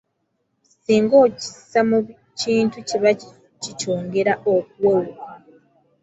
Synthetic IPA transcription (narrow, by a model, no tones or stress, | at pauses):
siːŋɡo̞ːci̥samu | ciːntuceβa | cit͡ʃoːŋɡe̞ɾaʔok̚uwewuka